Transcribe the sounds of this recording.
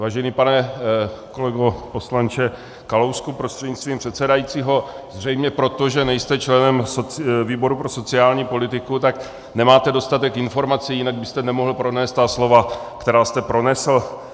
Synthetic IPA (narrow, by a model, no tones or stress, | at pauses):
vaːʒɛniːpanɛko̞lɛɡopo̞slant͡ʃɛ | kalowskupɾost̪r̥ɛdɲɪt͡st̪viːmpr̝̥ɛt̪sɛdajit͡siːɦo̞ | zr̝ɛjmɲɛpɾo̞t̪o̞ʒɛnɛjst̪ɛt͡ʃlɛnɛmsoviːbo̞ɾupɾo̞so̞t͡sɪaːlɲiːpo̞lɪt̪ɪkut̪ak | nɛmaːt̪ɛdo̞st̪at̪ɛkɪnfo̞ɾmat͡sijɪnaɡ̚bɪst̪ɛnɛmoɦl̩pɾo̞nɛːst̪t̪aslo̞va | kt̪ɛɾaːst̪ɛpɾo̞nɛsl̩